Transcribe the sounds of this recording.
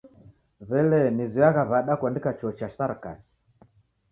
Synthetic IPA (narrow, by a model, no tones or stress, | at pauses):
βɛlɛniziaɣaβaɗakwandikat͡ʃɔt͡ʃasaɾka̰si̥